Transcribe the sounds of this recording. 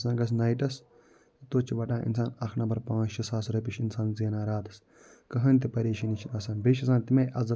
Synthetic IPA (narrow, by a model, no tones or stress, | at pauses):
sãːɡɐs̬naːjʈɐs | t̪oːt͡ʃʰiʋɐʈãːʔḭnsaːnɐxʰnɐbɐɾpãːʃɐsaːsɾɐp̬iʃinsaːnzeːnaːɾaːt̪ɐ̥s | kɐɦɐnʲt̪̬ipɐɾeːʃɐnit͡ʃʰinɐsaːnbeʃisaːnt̪imɐjʔɐzɐ